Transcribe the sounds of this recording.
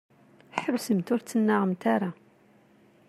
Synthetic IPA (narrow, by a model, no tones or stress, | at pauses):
ħəɾsəmt̪ʊɾt͡sːənːaʁəmt̪aɾˤa